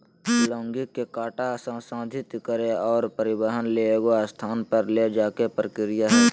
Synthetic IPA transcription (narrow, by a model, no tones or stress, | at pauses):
lɔ̃ːŋɡɪkːekaːʈasãsãːd̪ʱɪt̪kəɾeɔːɾpəɾɪbəɦənleeɡoast̪ʰaːnpəɾled͡ʒaːkepɾəkɪɾɪjaɦɛː